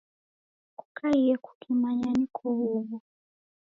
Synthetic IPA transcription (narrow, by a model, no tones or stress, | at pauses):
ku̥kʰaiɛku̥kʰimaɲanikʰɔuβu